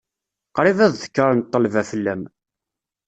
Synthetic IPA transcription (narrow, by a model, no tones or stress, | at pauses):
qɾˤivæððə̥kːɾˤənt̪ˤːəlvæfəlːæm